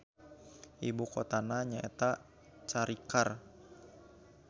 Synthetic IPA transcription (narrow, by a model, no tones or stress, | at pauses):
ʔibukot̪anaɲaʔet̪a | t͡ʃaɾikar